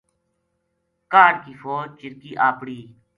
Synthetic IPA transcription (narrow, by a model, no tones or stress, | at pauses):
kaːɾkiːfʰoːt͡ʃɪɾkiːʔaːpɽiː